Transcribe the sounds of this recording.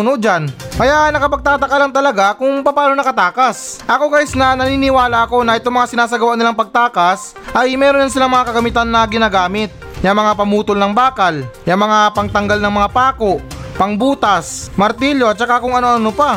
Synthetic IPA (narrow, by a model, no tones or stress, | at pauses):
nod͡ʒankɐjaʔnɐkɐpɐɡ̚t̪aːt̪ɐkalɐmt̪ɐlɐɡakʊŋpɐpaːlonɐkɐt̪aːkɐsʔɐko̞kaːjɪsnɐnɐniːnɪwaːlɐʔɐko̞nɐʔɛt̪o̞ŋmɐŋasɪnaːs̬ɐɡɐwaʔnɪlaŋpɐɡ̚t̪aːkɐs | ʔɐjmɛːɾonansɪlaŋmɐŋakɐɡɐmɪt̪anːɐɡɪnaːɡaːmɪt̪̚ | jɐŋmɐŋapɐmuːt̪olnɐŋbaːkɐljɐŋmɐŋapɐŋt̪ɐŋɡalnɐŋmɐŋapaːko̞ʔpɐŋbuːt̪ɐsmɐɾt̪iljoɐt̪̚t͡ʃɐkakʊŋɐnoʔɐnopa